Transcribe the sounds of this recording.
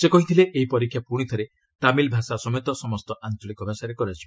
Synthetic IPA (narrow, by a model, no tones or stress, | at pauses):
sekɔɦit̪ʰileʔeɦipɔɾikʰːjapuɽ̃it̪ʰɔɾe | t̪amilbʱasasɔmet̪ɔsɔmɔst̪ɔʔant͡ʃɔlikɔbʱasaɾekɔɾat͡ʃʰi